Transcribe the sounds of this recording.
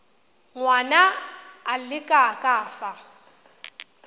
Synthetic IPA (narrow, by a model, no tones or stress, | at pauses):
ŋwanaː | lɪkʼakʼaːfa